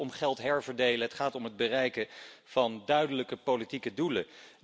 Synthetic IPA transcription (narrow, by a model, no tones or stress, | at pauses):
ɔmχɛlˠtɦɛɹvəɹdejləɦətχaːtɔmɦəd̚bərɛjkəv̥ɑndœɥdələkəpolitikədulə̰